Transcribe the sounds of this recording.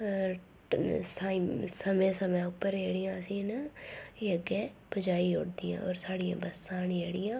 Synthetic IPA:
sasəmẽːsəmɛ̃ːʊpːəɾeːɽɪjãːsĩːnaeːəɡɛːpəd͡ʒaːiɦʊ̰ɽd̪ɪjã̰ːɔːɾsaːɽijã̰ːbəsãːneːɽɪjãː

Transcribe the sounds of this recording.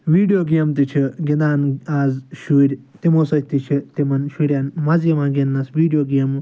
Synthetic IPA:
ʋiːɖjoːɡemt̪it͡ʃʰiɡind̪aːnaːzʃuːɾʲ | t̪imoːsɐt̪it͡ʃʰit̪imɐnʃuɾʲaːnmɐzjɐmaːɡʲinːɐsʋiːɖijoːɡʲem

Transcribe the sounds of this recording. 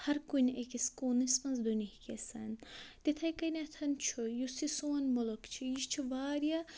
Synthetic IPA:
hɐɾkunʲekiskoːnismɐnzd̪unihkʲesɐnʲt̪it̪ʰɐjkɐnʲɐt̪ʰɐnt͡ʃʰujusisoːɐnʲmolokt͡ʃʰijiʃt͡ʃʰiʋaːɾijɐ

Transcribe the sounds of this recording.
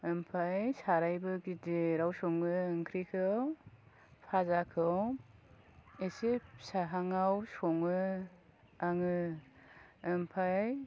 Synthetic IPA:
ɯmpʰajsaɾajbɯɡideɾawsɔŋɯɯŋkʰɾikʰɯw | pʰazakʰɯw | esepsaɦaŋawsɔŋɯ | aŋɯ | ɯmpʰaj

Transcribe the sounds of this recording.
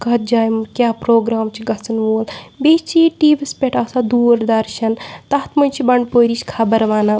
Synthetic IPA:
kɐɦt̪̚d͡ʒaːjmkʲjaːpɾoːɡɾaːmt͡ʃʰiɡɐt͡sɐnʋoːlbet͡ʃʰiʈiːʋispʲeʈɐsad̪uːɾd̪ɐɾʃɐnt̪ɐɦt̪mɐnt͡ʃʰibɐɳɖpoːɾit͡ʃʰʲkʰaːbɐɾʋaːna

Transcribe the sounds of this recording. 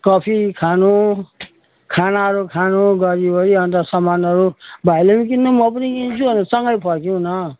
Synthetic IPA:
kʌpʰikʰanũ | kʰanaʌɾukʰanuɡʌɾiboɾiʌnt̪ʌsʌmanʌɾubʱajlemikinːomʌpʌnikint͡sʰubʌnʌsʌŋɡʌjpʰʌkjĩnʌ

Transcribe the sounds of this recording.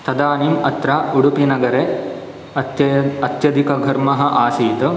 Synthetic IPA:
t̪ɐd̪aːnimɐt̪ɾɐuɽupinɐɡɐɾe | ɐt̪jɐd̪ikɐɡʱɐɾmɐɦɐ̆ʔaːsiːt̪ɐ

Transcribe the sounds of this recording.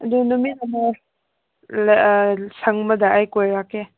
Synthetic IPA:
ɐdunuminama | lsɐŋmɐdɐajkojɾake

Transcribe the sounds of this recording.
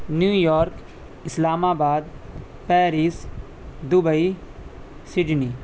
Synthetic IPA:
njuːjɔːɾk | ɪslaːmaːbaːd̪̚ | pɛːɾis | d̪ʊbəi | sɪɖniː

